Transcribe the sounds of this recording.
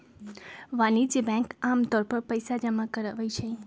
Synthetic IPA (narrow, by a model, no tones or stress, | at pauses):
ʋanid͡ʒbɛ̃kamt̪ɔɾpəɾpəjsad͡ʒəmakəɾaʋajt͡ʃʰe